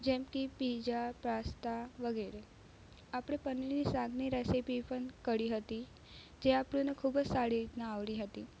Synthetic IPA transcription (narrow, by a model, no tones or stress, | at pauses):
d͡ʒɛmkipid͡ʒapɾast̪aʋəɡeɾe | apɽ̃epəniinisãɡʱniɾɛsipipəɳkəɽiɦət̪i | d͡ʒeapɽ̃ũnekʰubəd͡ʒsaɽit̪naːʋliɦət̪i